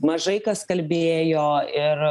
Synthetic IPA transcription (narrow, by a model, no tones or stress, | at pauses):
mɐʒɐɪkɐskɐlʲbʲeːjoːɪr